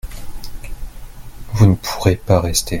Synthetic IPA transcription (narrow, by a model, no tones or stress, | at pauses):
vunəpʰuʁepaʁɛst̪ʰe